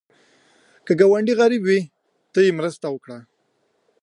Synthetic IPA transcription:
kəɡawaɳɖiɣaɾibwi | t̪əjemɾəst̪awəkɽa

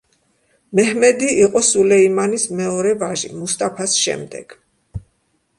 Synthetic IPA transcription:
mɛhmɛd̪iiqʼɔsulɛimanismɛɔɾɛvaʒḭmust̪ʼapʰasʃɛ̰md̪ɛ̰ɡ̥

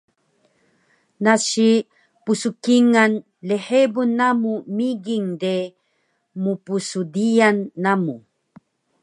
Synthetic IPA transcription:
naɕi | pusukiŋan | leħebunːamumiɡiŋde | mupusudijanːamu

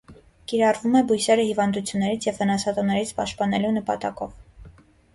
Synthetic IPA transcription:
kiɾɑrvumɛbujsɛɾəhivɑnd̪ut͡sʰjunːɛɾit͡sʰjɛvhənɑsɑt̪ɔnːɛɾit͡sʰpɑʃt̪̚pɑnɛlunəpɑ̰t̪ɑkɔv

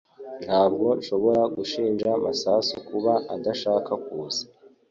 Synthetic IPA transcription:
ntʰhaːbɡo̞ʃo̞βo̞ɾaɡuʃiːnʒamasasokuβaadaʃaːkakuːzḁ

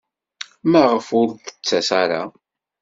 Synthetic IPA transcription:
mæʁəfʊɾθə̥t͡sːæsaɾa̰

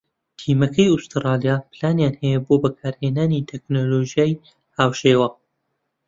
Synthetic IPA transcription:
t̪ʰiːmɐkʰɐjust̪ɨɾɑːlijaplaːnjaːnhɛjɛbobɐkʰaːɾheːnaːnit̪ʰɛknoloʒijaːj | haːwʃeːwɐ

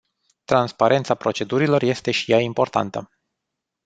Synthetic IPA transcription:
t̪ɾanspaɾʔe̞nt̪sapɾo̞t͡ʃe̞d̪uɾilo̞rje̞st̪e̞ʃi̥jaimpo̞rt̪a̰nt̪ə

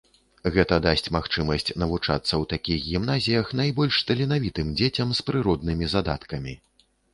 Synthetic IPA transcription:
ɣɛt̪ɐd̪asʲt͡sʲmaxt͡ʂɨmɐsʲt͡sʲnɐvut͡ʂa̰t̪sːɐwt̪akʲiɣɣʲimnazʲijɐxn̪ajbɔlʲʂst̪ɐlʲinavʲit̪ɨmd͡zʲet͡sʲɐmspɾɨɾɔd̪nɨmʲizad̪a̰t̪kɐmʲi

